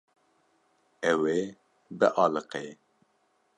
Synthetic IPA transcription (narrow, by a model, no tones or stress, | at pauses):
ɛwe | bə̰ʔɑːlɨqe